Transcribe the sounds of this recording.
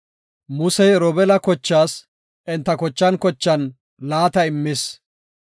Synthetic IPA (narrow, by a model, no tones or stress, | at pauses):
mʊsɛjɾɔbɛlɐkɔt͡ʃːaːs | ʔɪnt̪ːɐkɔt͡ʃːɐnkɔt͡ʃːɐn | laːt̪ɐɪmːɪs